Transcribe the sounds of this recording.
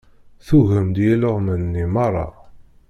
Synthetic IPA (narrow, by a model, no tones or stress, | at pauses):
θuɣəmd̪jæləʁmənːimɑrˤːɑ̰